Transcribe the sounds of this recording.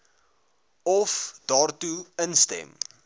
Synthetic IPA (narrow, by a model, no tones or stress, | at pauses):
ɔfd̥ɑːrtuənstɛ̰m